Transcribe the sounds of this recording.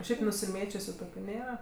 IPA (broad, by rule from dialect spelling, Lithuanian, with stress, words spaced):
ˈʃʲɛɪp nʊsʲɪˈmʲeːt͡ʃʲʊsʲʊ ˈtoːkʲʊ ˈnʲeːrɐ